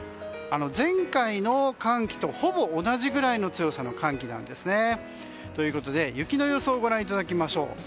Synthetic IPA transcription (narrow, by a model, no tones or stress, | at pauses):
ano̞zẽ̞ŋkaino̞kãŋkʲi̥t̪o̞ho̞bo̞ːnaʑiɡɯ̟ɾaino̞t͡sɨjo̞sano̞kãŋkʲinã̰nd̪e̞sɨne̞ | t̪o̞jɯ̟ko̞t̪o̞d̪e̞jɯ̟kʲino̞jo̞so̞ːɡo̞ɾãɰ̃it̪̬ad̪akʲimaɕo̞̰ː